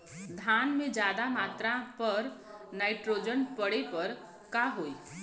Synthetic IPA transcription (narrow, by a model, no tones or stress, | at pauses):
d̪ʱaːnmẽd͡ʒjaːd̪amaːt̪ɾãpəɾnaːɪʈɾoːd͡ʒənpəɽepəɾ | kaɦoːi